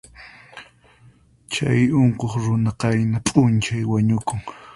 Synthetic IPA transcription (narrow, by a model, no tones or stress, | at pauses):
t͡ʃajoɴqoχɾʊnaqɑjnapʼʊnt͡ʃajwaɲʊkʊŋ